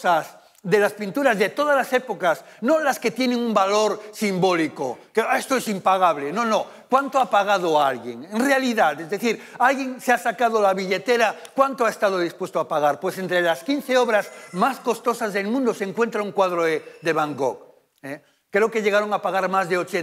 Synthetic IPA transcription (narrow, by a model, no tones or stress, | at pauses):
as | ðe̞laspint̪uɾazðe̞t̪o̞ð̞azlasepokasnõlaske̞t̪je̞neŋumbalo̞ɾsimbo̞likokeest̪oesimpaɣ̞aβlenõno | kwant̪oapaɣ̞að̞oalɣjeŋenrealiðat̪ezðe̞θiɾ | alɣje̞ŋseasakað̞olaβiʎe̞t̪eɾakwant̪oaest̪að̞oðispwe̞st̪oapaɣ̞aɾpwe̞s̬ent̪ɾelaskin̟θeoβɾazmasko̞st̪o̞sazðe̞lmũnd̪oseŋkwe̞nt̪ɾauŋkwaðɾoðeðeβaŋɡok | e | kɾeokeʎe̞ɣaɾo̞ŋapaɣ̞aɾmazðeo̞t͡ʃe